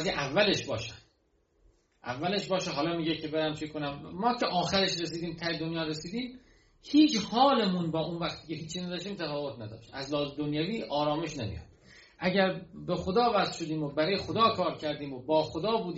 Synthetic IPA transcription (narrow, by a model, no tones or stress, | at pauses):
ziʔævːæleʃbɒːʃæ | ʔæ̰vːæleʃbɒːʃeɦɒːlɒːmiːɟecʰebeɾæmfekʰːonæmːɒːcʰeʔɒːxæɾeʃɾes̬iːd̪iːmt̪ʰæjed̪onjɒːɾesiːd̪iːm | hiːt͡ʃhɒːlemunbɒːunvæχt̪ʰiːcʰeɦiːt͡ʃʰːiːnæd̪ɒːʃt̪iːmt̪ʰæfɒːvot̪næd̪ɒ̰ːʃt̪æzlɒːzed̪onjæviːʔɒːɾɒːme̞ʃnemḭjɒ̰d̪̥̚ | ʔæɟæɾbexod̪ɒːvæzʃod̪iːmobæɾɒːjexod̪ɒːkʰɒːɾcʰæɾd̪iːmobɒːxod̪ɒːbuːd̪